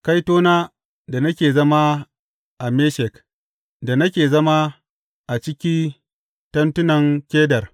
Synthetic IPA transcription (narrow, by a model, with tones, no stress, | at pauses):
ka˦jtoː˦naː˦ | da˨nɐ˦kʲeː˨zɐ˦ma˦ | ʔa˨me˦ʃɛ˨k | da˨nɐ˦kʲeː˨zɐ˦ma˦ | ʔa˨t͡ʃɪ˦kʲi˦n | tɐ˦ntʊ˦nɐ˨ŋkʲeː˦dɐ˨r